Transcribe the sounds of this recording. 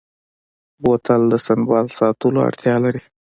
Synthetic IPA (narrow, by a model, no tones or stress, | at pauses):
bot̪ʰald̪əsanwɑlsɑt̪əloa̰ɽt̪jɑlaɾi